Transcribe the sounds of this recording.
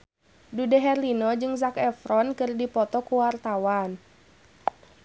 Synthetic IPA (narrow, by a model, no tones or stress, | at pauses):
dudɛɦɛrlinɔd͡ʒɨŋzakɛfɾɔnkɨrdipɔt̪ɔkuwart̪awan